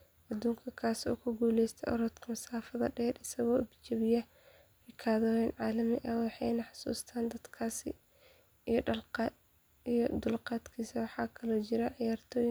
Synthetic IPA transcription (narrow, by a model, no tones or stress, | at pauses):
ʔɐd̪uːŋkʰɐkʰaːsɔ̰ːkʰʊɡuːlɛjst̪ʰɛʔɔɾɔːd̪kʰɐmɐsaːfɐðɐ̰ɖɛːrɪsɐɣɔːɪbt͡ʃɐβɪjɐ | ɪkʰaːðɔːjɛnʕɑːlɐmɪʔɐwɑħɑjnɑħɑ̥sṵːst̪ʰaːnd̪ɐd̪kʰaːsɪ | ijɖɐlqː | ijɔd̪ʊlqɑːd̪kʰiːsɐwɑħɑːkʰɐlɔːt͡ʃɪɾɐʕɪjaːrt̪ʰɔːjɪ